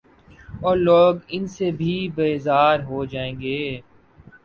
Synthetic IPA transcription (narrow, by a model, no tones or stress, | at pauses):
ɔːɾloːɡɪnsebʱibeːzaːɾɦod͡ʒaːẽːŋɡeː